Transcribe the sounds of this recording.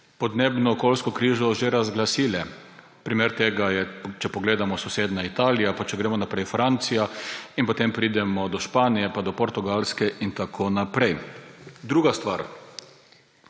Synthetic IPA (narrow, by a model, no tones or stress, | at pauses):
pɔd̪neːbnɔːkolskɔkɾiːʒɔʒeɾazɡlasiːlɛ | pɾimeːɾt̪eːɡajɛt͡ʃɛpɔɡleːd̪amɔsuseːd̪nait̪aːlijapat͡ʃɛɡɾeːmɔnapɾɛjfɾant̪sijainpɔt̪empɾiːd̪ɛmɔd̪ɔʃpaːnijɛpad̪ɔpɔɾt̪uɡalskɛʔint̪akʰonapɾɛjd̪ɾuːɡast̪ʋaɾ